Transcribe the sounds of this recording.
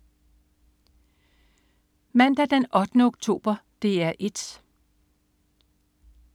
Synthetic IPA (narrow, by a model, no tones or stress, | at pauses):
mæn̰d̥æd̥enɒ̽d̥ənəoɡ̥̚t͡sʰo̝̰ːb̥ɐd̥e̝æɐʔe̝d̥